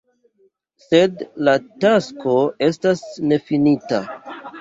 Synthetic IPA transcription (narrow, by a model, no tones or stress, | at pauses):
se̞dlatasko̞e̞stasne̞finita